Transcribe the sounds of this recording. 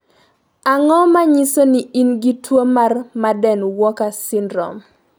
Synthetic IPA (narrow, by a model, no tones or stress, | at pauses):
aŋɔmaɲisoniinɡitwomarmadɛnwɔkasɪndɾɔ̰m